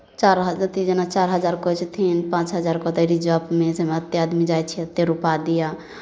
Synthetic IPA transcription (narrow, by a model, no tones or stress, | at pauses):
t͡ʃaɾɦəd͡ʒət̪id͡ʒenat͡ʃaɾɦəd͡ʒaɾkot͡ʃʰt̪ʰinpãt͡ʃɦəd͡ʒaɾkɔt̪əɾid͡ʒəpmesemeət̪jead̪mid͡ʒajt͡ʃʰiət̪ːeɾupad̪ija